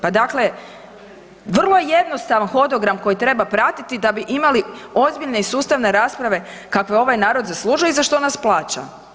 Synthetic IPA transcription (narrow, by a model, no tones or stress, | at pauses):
pad̪akle̞ | ʋr̩lˠo̞jeje̞d̪nost̪aʋanxo̞d̪o̞ɡɾamko̞jit̪ɾe̞bapɾat̪it̪id̪abiʔimalio̞zbiʎne̞isuːst̪aʋne̞ɾaːspɾaʋe̞ | kakʋe̞o̞ʋajnaːɾod̪zaslˠuːʒujoizaʃt̪onasplˠaːt͡ʃa̰